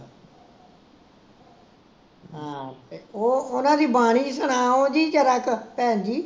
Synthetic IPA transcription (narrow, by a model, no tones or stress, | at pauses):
ɦãːt̪eːoːʊnãːd̪iːbaːɽ̃iːsəɽ̃aːõːd͡ʒiːd͡ʒəɾəkpɛ̃ːnd͡ʒiː